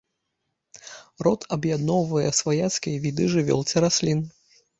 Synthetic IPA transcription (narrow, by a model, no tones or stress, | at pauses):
rɔt̪ʰɐbjad̪nɔwvɐjɛsvajat̪skʲijɐvʲid̪ɨʐɨvʲɔ̰lˠt͡sʲɛɾasʲlʲin